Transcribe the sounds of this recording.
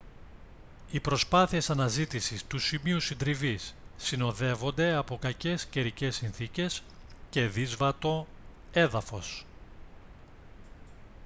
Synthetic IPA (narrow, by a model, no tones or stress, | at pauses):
ipɾo̞spɐθie̞sɐnɐzit̪isist̪usimiusind̪ɾivisːino̞ðe̞vo̞nd̪e̞ɐpo̞kɐce̞sce̞ɾice̞sinθice̞sce̞ðizvɐt̪o̞ | e̞ðɐfo̞s